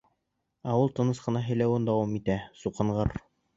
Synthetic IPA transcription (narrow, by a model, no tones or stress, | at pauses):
æulˠt̪ɤ̆nɤsqɤ̆nɑɦɘ̆jlæwɘnd̪ɑwɑmit̪æsuqɤ̆ɴʁɤɾ